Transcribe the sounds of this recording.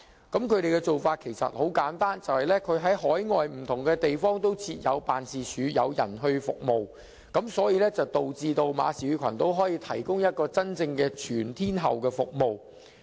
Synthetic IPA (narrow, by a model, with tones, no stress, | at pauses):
kɐ˨˥mkʰɵ˨˧ɥd̪e˨jkɛ˧t͡so˨wfaː˧t̚kʰe˨˩jsɐ̰˨t̚ho˨˥wkaː˨˥nt̪aː˥nt͡sɐ˨whɐ˨jlɛː˥kʰɵ˨˧ɥɦɐ˨˥jɦɔː˨˥jŋɔː˨jm̩˨˩t̪ʰʊ˨˩ŋkɛː˧t̪e˨jfɔː˥ŋt̪o˥wt͡sʰiː˧t̚jɐ̰˨˧wpaː˨nsiː˨t͡ʃʰyː˨˧jɐ˨˧wjɐ̰˨˩nɦɵ˧ɥfʊ˨k̚mo˨w | kɐ˨˥msɔː˨˥jiː˧lɛː˥t͡sɐ˨wt̪o˨wt͡siː˨˧t̪o˧wma̰ː˨˧siː˨ɥyː˧˥kʷʰɐ˨˩nt̪o˥wɦɔː˨˥jiː˧t̪ʰɐ˨˩jkʊ˥ŋjɐ˥t̚kɔː˧t͡sɐ˥nt͡sɪ˧ŋkɛː˧t͡ʃʰyː˨˩nt̪ʰiː˥nɦɐ˨wkɛː˧fʊ˨k̚mo˨w